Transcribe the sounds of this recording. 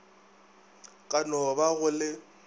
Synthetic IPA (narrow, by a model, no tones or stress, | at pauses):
kʼanɔbaɣʊlɪ